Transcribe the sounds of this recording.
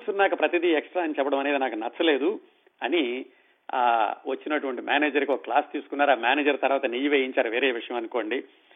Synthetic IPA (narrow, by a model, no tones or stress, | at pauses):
sunaːkupɾɐt̪id̪iɛksʈɾaːɐnit͡ʃɛpːɐɽɐmɐne̞ːd̪inaːkunɐt͡ʃːɐle̞ːd̪u | ɐni | a̰ːʋɐt͡ʃːinɐʈuʋɐɳʈimja̰ːneːd͡ʒɐɾkiokɐklaːst̪iːsu̥kunːaːɾuaːmjaːneːd͡ʒɐɾt̪ɐɾʋaːt̪ɐnijɐʋeːjiɲt͡ʃaːɾuʋe̞ːɾeːʋiʂɐjɐ̃mɐnuko̞ːɳɖi